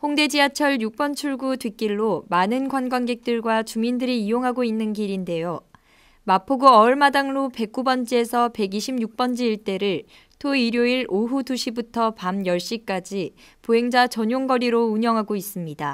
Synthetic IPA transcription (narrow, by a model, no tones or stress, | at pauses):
hoŋde̞d͡ʑiat͡ɕʰʌɭjuk̚p͈ʌnt͡ɕʰuɭɡutwik͈iɭːomanɯnɡwanɡwanɡe̞k̚t͈ɯɭɡwat͡ɕumindɯɾiːjoŋɦaɡoinːɯnɡiɾinde̞jo | mapʰoɡuʌɯɭmadaŋɭope̞k̚k͈ubʌnd͡ʑie̞sʰʌpe̞ɡiɕʰimjuk̚p͈ʌnd͡ʑiːɭt͈e̞ɾɯɭ | tʰoiɾjoiɭoɦutuɕʰibutʰʌpamjʌɭɕ͈ik͈ad͡ʑipoɦe̞ŋd͡ʑat͡ɕʌɲjoŋɡʌɾiɾouɲʌŋɦaɡois͈ɯmɲida